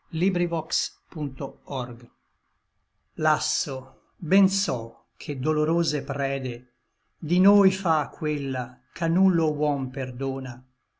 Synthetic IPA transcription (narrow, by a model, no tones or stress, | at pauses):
libɾivɔkspunt̪oɔrɡ | lasːo | bɛnsɔ | kʰed̪oloɾoːzepɾɛːd̪e | d̪inoːjfakʰːwelːakʰanːulːowɔmperd̪oːna